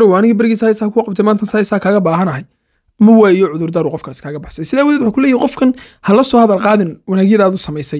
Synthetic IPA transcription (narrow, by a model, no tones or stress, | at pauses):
ɾɔwanɪɣibɐɾɡiːsɐhɛsɐhɐkʰʊqɑbt̪ʰɛmaːnt̪ʰɐnsaːɛjsaːkʰaːɣɐbaːɦɐnɐɦɐj | mɐwaːjɔʕʊðʊrd̪ɐɾʊqɔfkʰaːskʰaːɣɐbɑħsɐjsɪðaːwðɛːwʊħuːkʰʊlɛːjahijqɔfkʰɐn | hɐlɐsɔːhɐðɐlqɑːðɪnwɑnaːɣjɐðaːðʊsɐmɛjsɐj